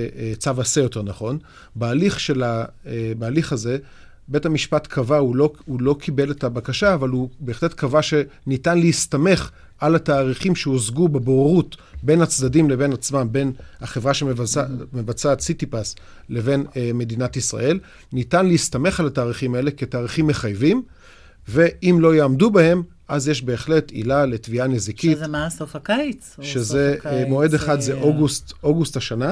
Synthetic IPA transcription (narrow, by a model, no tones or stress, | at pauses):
t͡savasejo̞te̞ʁnaχo̞n | bealiχʃe̞labaːliχaze̞ | be̞thamiʃpatkʰavaulohulo̞kʰibe̞le̞tabakaʃaːvalube̞ːχle̞tkʰavaʃe̞nitanleist̪ame̞χ | ʔalataːʁiχimʃeozɡubebooʁutbe̞nhat͡sdadimle̞be̞nat͡smambe̞nhaχe̞vʁaʃemevamevat͡sat͡sitipas | le̞ve̞nme̞dinatisʁa̰e̞l | nitanleistame̞χalataːʁiχimae̞le̞ketaːʁiχimːe̞χajvim | ve̞ʔimlo̞jeamdubahe̞m | ʔazjeʃbe̞ːχle̞tḭlale̞tvianezikitmasofakajt͡sʃezemo̞e̞d̪eχad̪zeʔoɡust̪oɡusthaʃana